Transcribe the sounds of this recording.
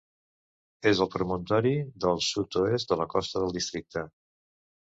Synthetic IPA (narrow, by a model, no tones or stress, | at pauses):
ezəlˠpɾumunt̪ɔɾiðəlˠsut̪oezd̪ələkɔst̪əðəlˠd̪ist̪ɾik̚t̪ə